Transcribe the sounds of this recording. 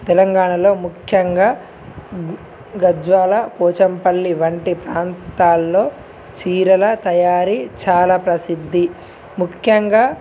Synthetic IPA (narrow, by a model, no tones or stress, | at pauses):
t̪ɛlɐŋɡaːɳɐlo̞ːmukʰjɐŋɡaː | ɡɐd͡ʒʋaːlɐpɔːt͡ʃɐmpɐlːiʋɐɳʈipɾaːnt̪aːlːoː | t͡ʃiːɾɐlɐt̪ɐjaːɾit͡ʃaːlaːpɾɐsid̪ʱːi | mukʰjɐŋɡaː